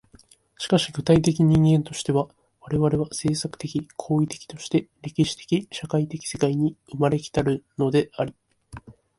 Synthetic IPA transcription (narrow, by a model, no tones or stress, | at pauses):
ɕi̥kaɕiɡɯ̟t̪ait̪̬e̞kʲiɲĩŋɡẽ̞nt̪o̞ɕi̥t̪e̞βa | βaɾe̞βaɾe̞βase̞ːsakɯ̥t̪e̞kʲikʰo̞ːit̪e̞̥kʲi̥t̪o̞ɕi̥t̪e̞ɾʲe̞kʲiɕi̥t̪e̥kʲiɕakait̪e̞kʲi̥se̞kaiɲ̟iɯmaɾe̞kʲi̥t̪aɾɯ̟no̞d̪e̞aɾʲi